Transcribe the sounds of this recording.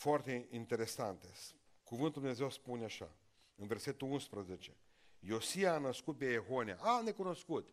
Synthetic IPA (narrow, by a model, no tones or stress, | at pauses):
foart̪eint̪eɾesant̪es | kuvɨnt̪ud̪umnezewspunʲeaʃa̰ | ɨnverset̪uunspɾəzet͡ʃe | josiaːnəskut̪̚peeɦonʲja̰ʔanekunoskut̪